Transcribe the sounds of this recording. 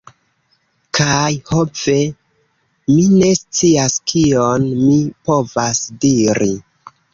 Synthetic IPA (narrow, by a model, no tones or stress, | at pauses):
kʰajho̞ve̞ | mine̞st͡siaskʰionmipo̞vasdiɾi